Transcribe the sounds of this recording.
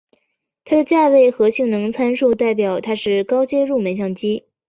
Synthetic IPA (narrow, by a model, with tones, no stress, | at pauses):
t̪ʰa˥d̪ə˨t͡ɕja˥˧we˥˩ɪxɤ˧˥ɕi˥˩ŋnɤ˧˥ŋt͡sʰa˥nʂu˥˧t̪a˥˩ɪp̬jɑ˨˩ʊt̪ʰa˥ʂɻ̩˥˩kɑ˥ʊt͡ɕjɛ˥ɻu˥˩mə˧˥nɕ̬jɑ˥˩ŋt͡ɕi˥